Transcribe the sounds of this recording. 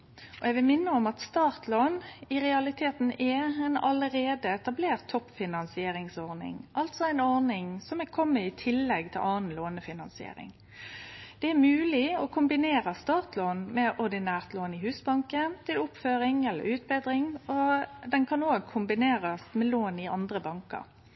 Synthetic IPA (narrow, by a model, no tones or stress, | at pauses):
ʔɔɛɡʋɪlmɪnːəɔmɑt̪st̪ɑːʁt̪ʰloːnɪʁɛɑlɪt̪ʰeːt̪n̩ɛɛnɑləɾeːd̪əɛt̪ɑbleːʁt̪ʰːɔpːfɪnɑnsɪeːɾɪŋsɔʁnɪ̰ŋʔɑlt̪sɔæɪnɔɾnɪŋsɔmɛkʰɔmːəɪt̪ʰɪlːɛɡt̪ʰɪ̰lʔɑːn̩loːnəfɪnɑnsɪḛːɾɪ̰ŋ | d̪̥ɛæmʉːlɪɔkʰʊmbɪneːɾəst̪ɑːt̪loːnmɛʔɔʁd̪ɪnæːʁt̪loːnɪhʉːsbɑŋkənt̪ʰɪlʊpføːɾɪŋɛlːə̰ɾʉːt̪̚bɛːd̪ɾɪŋɔd̪ɛnkʰɑnoːɡ̚kʰʊmbɪneːʁəst̪mɛloːnɪɑnd̪ʁəbɑŋkə̰ɾ